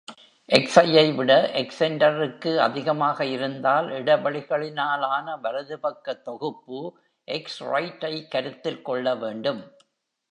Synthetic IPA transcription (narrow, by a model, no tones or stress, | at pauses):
ʔɛksɐjɐɪʋɪɽɐʔɛksɛɳɖɐɾɯkːɯɐðɪɣɐmaːɣɐɪɾɯnd̪aːlɪɽɐbɐɭɪɣɐɭɪnaːlaːnɐʋɐɾɐðɯpɐkːɐt̪ːɔɣɯpːɯ | ʔɛksrɐ̰ɪʈːɐɪkːɐɾɯt̪ːɪlkɔɭːɐʋeːɳɖɯm